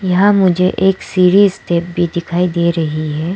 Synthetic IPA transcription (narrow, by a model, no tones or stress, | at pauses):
jɐɦãmʊd͡ʒʱeʔeːksiːɾiːzʈeːp̚bʱid̪ɪkʰaːid̪eːɾɐɦiɦɛː